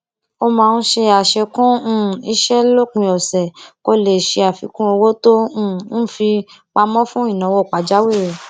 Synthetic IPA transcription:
o˦˧mãː˧n̩˦ʃe˧a˨ʃe˧kũ˦˨i˦ʃɛ˦lo˦k͡pĩ˧ɔ˨sɛ˨ko˧le˨ʃe˧a˨fi˨˧˦kũ˦o˧wo˦tõ˦˨n̩˦fi˧ | k͡pa˧mɔ̃˦fũ˦i˦˨nã˨˦wɔ˨k͡pa˨d͡ʒa˨˦we˦˨

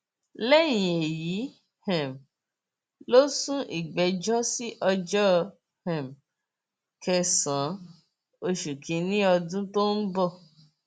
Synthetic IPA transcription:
lɛ˦˨j̃ĩ˨e˨ji˨˦ | hɛ̃˨m | lo˦sũ˦ʔḭ˦˨ɡ͡bɛ˨d͡ʒɔ˦si˦ʔɔ˧d͡ʒɔ˦ | hɛ̃˨m | kʰɛ˧sã˨˦ | o˧ʃu˨kʰĩ˨˦nĩ˦ɔ˧dũ˦to˦n̩˦bɔ˦˨

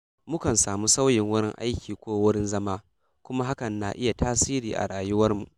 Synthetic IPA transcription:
mʊ˦kɐ˨nsaː˨muː˦sa˦wjɪ˨ŋwʊ˦ɽɪ˦ŋʔa̰˦jkʲiː˨kʷoː˦wʊ˦ɽɪ˦nzɐ˦maː˦ | kʷʊ˦ma˦ɦa˦kɐ˨nːa̰ː˨ʔɪ˦ja˨tʰaː˦siː˦ɾiː˨ʔa̰˨ɽaː˨jʊ˦wɐ˦rmṵ˨ʔ

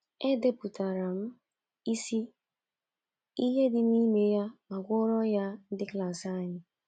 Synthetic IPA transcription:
e˦de˦pu˨ta˨ɾa˨m̩˦ | i˦si˦ | i˦ɦe˦dɪ˨m˦i˦me˦ja˦ma˨ɡʷʊ˦ɾɔ˦ja˦n̩˦dɪ˦kla˨sa˦˨ɲɪ˨

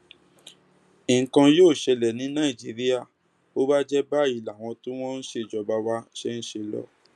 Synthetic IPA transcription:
i˨kã˧joː˦˨ʃɛ˧lɛ˨nĩ˨˦nã˦i˨d͡ʒi˦ɾi˦a˦˨ | o˦ba˦d͡ʒɛ˦ba˦˨i˨la˨w̃ɔ̃˧tũ˦w̃ɔ̃˦n̩˦ʃe˧˨d͡ʒɔ˧ba˧˦wa˦ʃɛ˦n̩˦ʃe˧lɔ̰˦˨

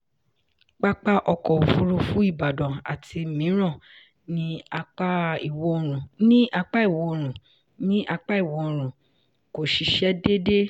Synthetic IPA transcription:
k͡pa˦k͡pa˦ʔɔ˧kɔ˨o˨fu˧˦ɾu˧fũ˦i˦˨ba˨dɔ̃˨a̰˨tʰi˧˨mĩ˨˦ɾ̃ɔ̃˦˨ | nĩ˦a˧k͡pa˦i˦˨wo˨˦˧ɾ̃ũ˨nĩ˦ʔa˧k͡pa˦i˦˨wo˧o˧ɾ̃ũ˨ | nĩ˦ʔa˧k͡pa˦i˦˨wo˨˧o˧ɾ̃ũ˨ | ko˨ʃi˨˧ʃɛ˦de˦de˦

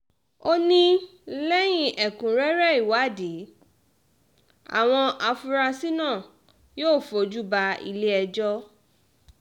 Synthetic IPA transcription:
o˦nĩ˦ | lɛ˦j̃ĩ˦ʔɛ˨kũ˨ɾɛ˦ɾɛ˦˨i˨wa˨˦˨de˨˦ | a̰˨w̃ɔ̃˧ʔa˧fu˧ɾa˧si˦nãː˦˨ | joː˦˨fo˨˧d͡ʒu˦ba˧ḭ˧le˦ɛ˧d͡ʒɔ˦

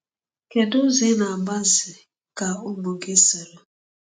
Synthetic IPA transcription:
ke˨du˦zi˦na˨ba˦zɪ˨ | ka˨o˦mo˨ɡi˦sɛ˨lɔ˦

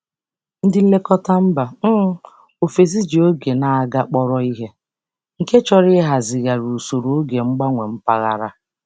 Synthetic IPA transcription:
n̩˦dɪ˨n̩˦le˦kɔ˦ta˦m̩˦ba˨m̩˦ | o˨fe˨zi˦d͡ʒi˨o˦ɡe˨na˨a˦ɡa˦k͡pɔ˦ɾɔ˦i˦ɦe˦ | ŋ̩˨ke˦t͡ʃɔ˦ɾɪ˦ɦa˨zɪ˨ɣa˨ɾu˨so˨ɾo˨o˦ɡe˨ŋ͡m̩˦ɡ͡ba˦ŋʷe˨m̩˦pa˦ɣa̰˨ɾa˦

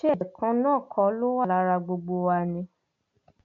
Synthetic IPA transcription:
ʃe˦˨ɛ˨kʰã˧˦nãː˦˨kʰɔ˧˦lo˦wa˦la˧ɾa˧ɡ͡bo˧ɡ͡bo˧wa˧nĩ˧

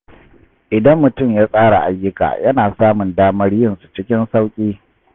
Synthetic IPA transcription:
ʔɪ˨dɐ˦mːʊ˨tʊ˦˨mjaː˦sʼaː˦ɽa˨ʔa˨˦jːʊ˦ka̰ː˨jɐ˦naː˨saː˦mʊ˨ndaː˦mɐ˦ɽjɪ˦nsu˨t͡ʃɪ˦kʲɪ˦nsa˦wkʲʼiː˦

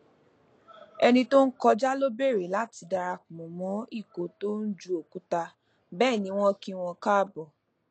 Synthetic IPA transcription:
ɛ˧nĩ˧to˦n̩˦kɔ˧d͡ʒa˦lo˦be˦˨ɾe˨la˦ti˨˧da˧ɾa˧kũ˨mɔ̃˨mɔ̃˨˦i˦˨ko˨˦to˦n̩˦d͡ʒu˦o˨ku˦ta˧ | bɛː˦˨nĩ˨˧˦w̃ɔ̃˦kĩ˦˧w̃ɔ̃˧ka˦˨bɔ˨

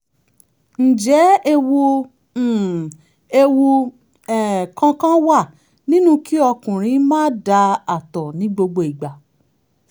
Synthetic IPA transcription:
n̩˨d͡ʒɛ˨˦e˧wu˧˨ | e˧wu˧ | ɛ˨kã˧kã˦wa˦˨ | nĩ˦nũ˦ki˦ɔ˧kũ˨ɾ̃ĩ˨˧˦mãː˦da˧a˨tɔ˨nĩ˨˦ɡ͡bo˧ɡ͡bo˧i˨ɡ͡ba˨

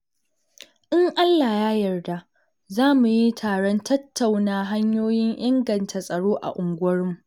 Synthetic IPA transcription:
ʔɪ˦ŋʔa˦lːaː˨jaː˦jɐ˨rda˦ʔ | zaː˦mu˨ji˦tʰaː˨ɽɔ˦ntʰɐ˦tːa˨wnaː˦ɦa˦ɲjoː˦jɪ˦ŋʔɪ˦ŋɡɐ˨ntʰa˨sʼɐ˨ɽoː˦ʔa̰˨ʔʊ˨ŋɡʷɐ˦ɾɪ˦mu˨

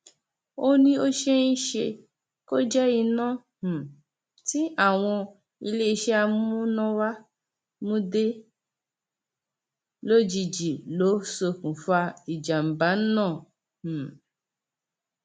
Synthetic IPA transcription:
o˦nĩ˦o˦ʃe˦i˦ʃe˧ | ko˦d͡ʒɛ˦i˧nã˦˨ | h̩˨ | ti˦ʔa˦˨w̃ɔ̃˧ | i˧le˦i˧ʃe˦a˧mũ˦nɔ̃˦wa˦ | mũ˦de˦ | lo˦d͡ʒi˧˨d͡ʒi˨lo˨˦so˧kũ˨fa˧i˨d͡ʒa˨m̩˨ba˨˦n̩˦nã˦˨ | h̩˨

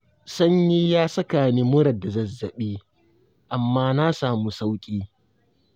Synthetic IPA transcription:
sɐ˦ɲji˦jaː˦sɐ˦kaː˨niː˦mʊ˦ɾɐ˨dːa˨zɐ˨zːɐ˨ɓiː˦ | ʔa˨mːaː˦na˦saː˨mu˦sa˦wkʲʼiː˦

